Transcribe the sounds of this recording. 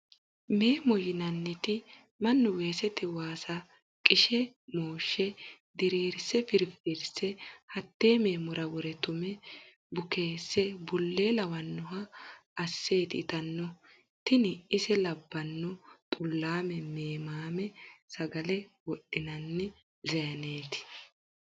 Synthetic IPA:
me̞ːmɔjɪnɐnːɪt̪ɪ | mɐnːʊweːsɛt̪ɛwaːsɐ | kʼɪʃɛ | moːʃːɛ | d̪ɛɾeːɾsːɛfɪɾfɪɾsːɛhɐt̪ːe̞ːme̞ːmʊɾɐwɔɾɛt̪ʊmɛ | bʊke̞ːsːɛbʊlːeːlɐwɐnːʊɦɐː | sːe̞ːt̪ɪt̪ɐnːɔ | t̪ɪnɪɪsɛlɐbːɐnːɔt̪ʼʊlːaːmɛmeːmaːmɛsɐɡɐlɛwɔɗɪnɐnːɪ | zɐjɐneːt̪ɪ̥

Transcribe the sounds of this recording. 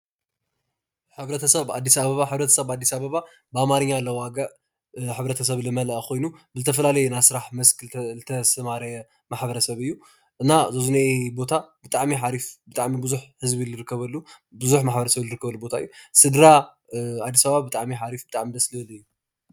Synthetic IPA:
ħɨβɾɐt̪ʰɐsɐβa̰d̪ːisaβɐβaħɨβɾɐt̪ʰɐsɐβad̪ːisaβɐβa | bɨamaɾɨɲːalɐwaɡaʔ | ħɨβɾɐt̪ʰɐsɐβlɨmɐlɐʔkʰo̞jnubɨzɨt̪ʰɐfɐlalɐjɛnasɨɾaħmɐsklɨt̪ʰɐsɐmaɾɐjɛ | maħbɐɾɐsɐβɨjːu | ʔɨnazɐzunabo̞t̪ʰabɨt̪ʼaʕmiħaɾifbɨt̪ʼaʕmibɨzuħhɨzbilɨɾɨkːɐβɐlːubɨzuħmaħbɐɾɐsɐβlɨɾɨkːɐβɐlːubo̞t̪ʰaɨjːusɨd̪ɾa | ad̪ːisaβɐβabɨt̪ʼaʕmiħaɾifbɨt̪ʼaʕmid̪ɐslɐlɨjːu

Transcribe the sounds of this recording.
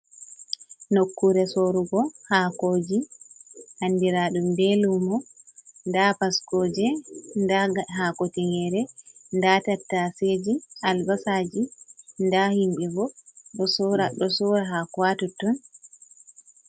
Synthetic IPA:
nokːuɾɛsoɾuɡɔhakoːd͡ʒi | hanːdiɾaɗumbelumɔ | ndapaskod͡ʒɛndaɡaɦakotiŋɡɛɾɛndatatːased͡ʒiʔalbasad͡ʒindahimbɛbɔɗɔsɾaɗɔsuɾaɦakwatutːɔn

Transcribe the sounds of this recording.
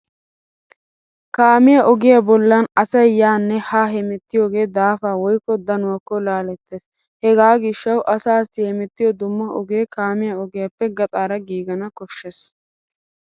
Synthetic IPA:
kaːmɪjɐʔɔɡɪjɐbɔlːɐnɐsɐjjaːnːɛhaːɦɛmɛt̪ːɪjoːɡe̞ːd̪aːfaːwɔjkːɔd̪ɐnʊwɐkːɔlaːlɛt̪ːeːs | hɛɡaːɡɪʃːɐwʔɐsaːsɪhɛmɛt̪ːɪjɔd̪ʊmːɐʔɔɡeːkaːmɪjɐɔɡɪjɐpːɛɡɐt̪ʼaːɾɐɡiːɡɐnɐkɔʃːes

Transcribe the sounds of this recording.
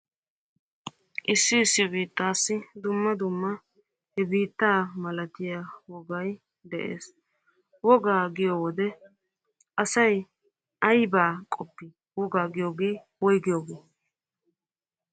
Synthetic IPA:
ʔɪsːɪːsːɪbiːt̪ːaːsːɪd̪ʊmːɐd̪ʊmːɐ | hɛbiːt̪ːaːmɐlɐt̪ɪjaːwɔɡɐj | d̪ɛʔḛːs | wɔɡaːɡɪjoːwɔd̪ɛ | ʔɐsɐj | ɐjbaːkʼɔpːɪ | wɔɡaːɡɪjoːɡeː | wɔjɡɪjoːɡeː

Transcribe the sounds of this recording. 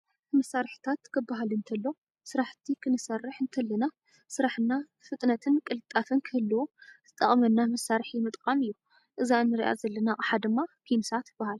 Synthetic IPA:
mɐsaɾħt̪ʰat̪kʰɨbːaɦalɨnt̪ʰɐlːo̞ | sɨɾaħt̪ʰikʰɨnɨsɐrːɨħɨnt̪ʰɐlːɐna | sɨɾaħɨnːa | fɨt̪ʼnɐt̪ʰɨnkʼɨlɨt̪ʼːafɨnkʰɨɨlːɐwozɨt̪ʼɐχʼmɐnːamɐsːaɾħimɨt̪ʼkʼamɨjːu | ʔɨzanːɨɾḭʔa̰zɐlːɐnaʔʼɨħad̪ɨmːakʰimsat̪b̥ahal

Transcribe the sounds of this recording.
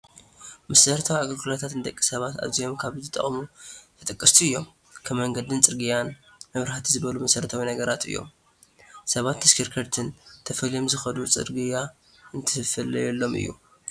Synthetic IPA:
mɐsɐɾt̪ʰawiaɡɐkʰolat̪ʰat̪nɨd̪ɐkʼːisɐβat̪a̰βzijo̞mkʰaβzɨt̪ʼːɐ̰χʼmubʰɨt̪ʼɐkʼːɐst̪ʰuɨjːo̞m | kʰɐmːɐŋɡɐd̪ɨnt͡sʼɨɾɡɨjanmɐβɾhat̪ʰizɨβɐlumɐsɐɾt̪ʰawinɐɡɐɾat̪ɨ̰jːo̰m | sɐβat̪ːɐskʰiɾkʰɐɾt̪ʰɨnt̪ʰɐfɐlijo̞mzɨxɐd̪ut͡sʼɨ̰ɾɡɨja | ɨnt̪ʰɨfɐlɐjɛlːo̞mʔɨ̰jːṵ

